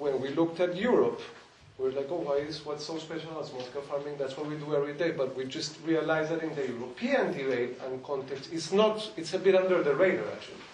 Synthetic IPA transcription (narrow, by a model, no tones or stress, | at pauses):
wɛ̃nwilʊk̚tætjuɹɔp | wiɹlaɪkowaɪɪswʌtsoʊspɛʃalazmɔt̪ɪ̥kalfɑɹmɪ̃ŋðætswʌt̚widuɛvɹideɪbʌt̚wid͡ʒʌstɹialaɪzðæɾɪ̃nðəjuɹopʰiɨ̃ndibeɪtə̃nkʰɔ̃ntɛktsɪtsnɔtɪtsəbɪɾʌ̃ndə˞ðəɹẽɪɾə˞æ̰k̚t͡ʃṵli